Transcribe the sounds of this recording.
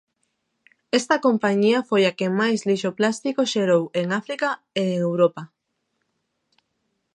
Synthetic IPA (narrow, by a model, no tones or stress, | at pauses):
est̪ɐkompaɲiɐfojakemajsliʃoplast̪ikoʃeɾoweŋafɾika | eeŋewɾopa